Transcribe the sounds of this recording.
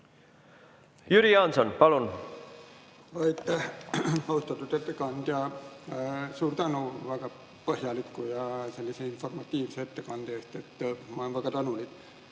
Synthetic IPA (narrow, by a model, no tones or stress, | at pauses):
jyɾiɑnsɑnpɑlun | vɑjt̪ːæhɑust̪ɑt̪ːˑud̪e̞t̪ːekɑnd̪̥jɑ | suːrt̪ænuvæɡ̥ɑ | pɤɦjɑlikːujɑse̞lːiseinfo̞rmɑt̪ːˑiːvseet̪ːe̞kɑnd̪̥eest̪e̞t̪ːmɑenvæɡ̥ɑt̪ɑnulik̪